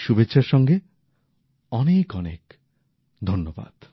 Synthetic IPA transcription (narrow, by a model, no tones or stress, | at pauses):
ʃubetːɕʃʰaɾʃɔŋɡe | ɔnekɔnḛk | d̪ʱonːoba̰d̪̥